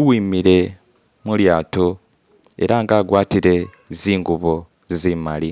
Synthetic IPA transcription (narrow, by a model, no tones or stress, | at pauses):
uwiːmiɾe̞ | muljaːto | e̞̰ɾaŋɡaːɡwaːtiɾe̞ | ziːŋɡuβo̞ | zimali